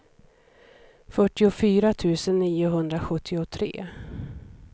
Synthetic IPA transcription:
fœʈːɪʊfyːɾat̪ʰʉ̟ːsənːiːʊɦɵnd̪ɾaɧɵt̪ʰːɪʊt̪ʰɾḛː

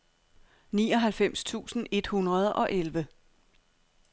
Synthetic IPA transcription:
nḭːɒ̽ɦælfem̰st͡sʰṵːsn̩e̝d̥hunʁɐð̞ˠɒ̽ʔelʋə

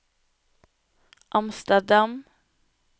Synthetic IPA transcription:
ʔɑmst̪əɖam

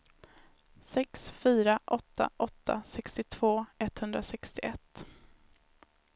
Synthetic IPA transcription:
sɛksfyːɾaʔɔt̪ːa̰ʔɔt̪ʰːa̰sɛkst̪ɪt̪ʰv̥oːɛt̪hɵnd̪ɾasɛkst̪ɪɛt̪ː

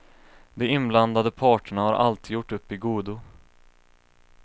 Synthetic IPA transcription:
d̪ɛɪnbland̪ad̪əpʰɑːʈəɳahaɾʔa̰lt̪iːjʊʈːɵpːɪɡuːd̪ʊ

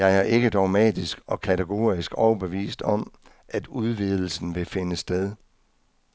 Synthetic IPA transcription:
jɑ̈ɪæɐʔe̝ɡ̥əd̥ɒ̈ʊmɛ̰ːd̥isɡ̥ɒ̽kʰæt͡sʰeɡ̥o̝̰ːɐisɡ̥ɒʊɐb̥eʋḭːsd̥ɒ̽m | ʔæd̥uðˠʋið̞ˠl̩sn̩ʋe̝fe̝nəsd̥eðˠ

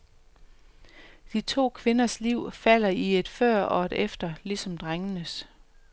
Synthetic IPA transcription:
d̥it͡sʰo̝̰ːkʰʋe̝nɐsliʊ̰fæl̰ɐie̝d̥fɶɐ̰ɒ̽ed̥efd̥ɐlisɒ̽md̥ʁaŋənəs

